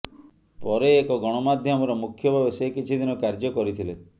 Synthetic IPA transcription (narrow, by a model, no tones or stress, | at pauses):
pɔɾeːkɔɡɔɽ̃ɔmad̪ʱjɔmɔɾɔmukʰjɔbʱabesekit͡ʃʰid̪inɔkaɾd͡ʒɔkɔɾit̪ʰile